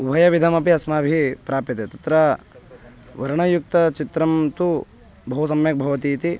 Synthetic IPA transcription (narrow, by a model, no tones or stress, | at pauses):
ubʱɐjɐʋid̪ʱɐmɐpiɐsmaːbʱipɾaːpjit̪et̪ɐt̪ɾɐ | ʋɐɾɐɳɐjuk̚t̪ɐt͡ʃit̪ɾɐmt̪u | bʱɐɦusɐmjɐk̚bʱɐʋɐt̪iːt̪i